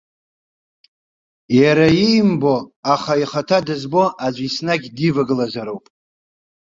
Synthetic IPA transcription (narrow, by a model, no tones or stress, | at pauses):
jaɾajijmbo̞aχaiχatʰadɨzbo̞ʔad͡ʒʷisnaɡʲdivaɡlazaɾowpʼ